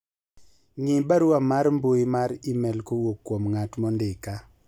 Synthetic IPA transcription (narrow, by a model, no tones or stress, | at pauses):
ŋɪbaɾʊamaɾmboimaɾimɛlkowokːwomŋatmɔndɪka